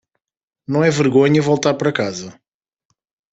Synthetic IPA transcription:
nɐ̃w̃ɛvɨɾɣoɲɐvolˠt̪aɾpɐɾɐkazɐ

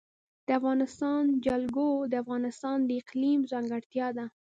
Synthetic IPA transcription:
d̪̥əafɣɑnɪst̪ɑnd͡ʒalɡod̪əafɣɑnɪst̪ɑnd̪əɪqlimzɑŋɡaɽt̪jɑd̪a

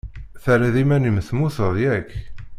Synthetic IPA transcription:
θæɾæðimænimθmuθəðˤjækː

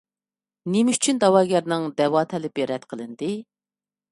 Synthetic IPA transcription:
nemɪyt͡ʃʰynd̪ɑwɑːɡʲɛɾnɪŋd̪ɛwɑːt̪ʰɛlɪpɪɾɛt̪qʰəlˠɨnd̪ɨ

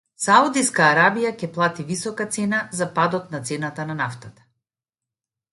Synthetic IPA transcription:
saud̪iskaːɾabijacɛplˠat̪ivisɔkat̪sɛnazapad̪ɔt̪̚nat̪sɛnat̪ananaft̪at̪ḁ

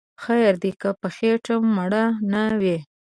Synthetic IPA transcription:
xajaɾd̪ikəpəxeʈəmːaɽanawe

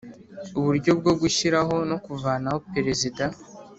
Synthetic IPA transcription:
uβuɾɟo̞b̚ɡo̞bɡuʃiɾaɦo̞no̞kuvaːnaho̞pe̞ɾe̞zida

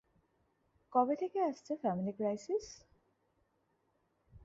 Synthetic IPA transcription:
kɔbet̪ʰekeaʃt͡ɕʰefɛmilikɾajsis

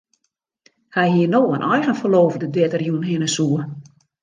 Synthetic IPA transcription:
hɛjɦiənoːənʔɔjɣənfəloːvdədɪtərjunɦɪnəsuə

